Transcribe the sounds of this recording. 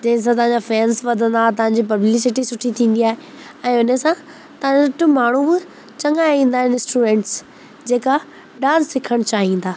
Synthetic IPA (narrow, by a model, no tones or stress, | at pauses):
d͡ʑɐ̃ɦɪ̃s̬ãt̪ɐɦãɲd͡ʑafɛːnsʋɐd̪ʱə̃n̆d̪aːt̪̬ɐʋãɲ̆d͡ʑip̬ɐblis̬ɪʈisʊʈʰit̪ʰĩːn̆d̪iaːɦe | ɛ̃ːʊnəsã | t̪ɐɦãɲsɐʈʊmaːɳ̤ubɪ | t͡ɕɐ̃ŋaːjĩːn̆d̪aːɦɪnɪ̃sʈuːmẽːɳʈs | d͡ʑeːka | ɖãːsːɪkʰəɽ̃t͡ɕaːɦĩːnd̪aː